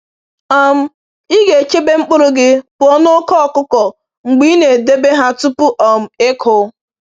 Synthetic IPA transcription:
ɔ˦m̩˦ | i˦ɡe˨t͡ʃe˦be˦ŋ͡m̩˦k͡pʊ˦ɾʊ˦ɡɪ˦pʊ˨ɔ˦nʊ˦kɔ˦˨kʊ˦kɔ˨ | ŋ͡m̩˨ɡ͡bi˦ne˨de˦be˦ɦa˦tu˦pʊ˦ʔɔ˨m̩˨e˦kʰʊ˨˦

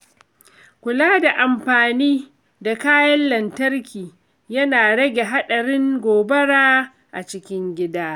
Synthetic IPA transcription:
kʷʊ˨laː˦da˨ʔa˨mɸaː˨niː˦ | da˨kaː˦jɐ˦nlɐ˨ntɐ˦rkʲiː˨ | jɐ˦naː˨ɽɐ˦ɡʲe˨ɦa˦ɗɐ˨ɾɪ˦ŋɡʷoː˨bɐ˦ɽaː˦ | ʔa̰˨t͡ʃɪ˦kʲɪ˦ŋɡʲɪ˦daː˦

